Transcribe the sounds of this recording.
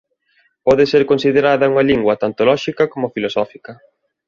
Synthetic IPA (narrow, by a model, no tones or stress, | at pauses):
pɔðeseɾkonsiðeɾaðɐuŋɐliŋɡwɐt̪ant̪olɔʃikɐkomʊfilosɔfikɐ